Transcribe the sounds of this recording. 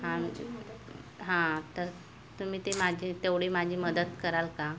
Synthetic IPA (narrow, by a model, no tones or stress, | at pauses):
ɦã | ɦãt̪əɾ | t̪um̤iːt̪emad͡ʑʱit̪eʋɽ̤iːmad͡ʑʱiːməd̪ət̪kəɾalka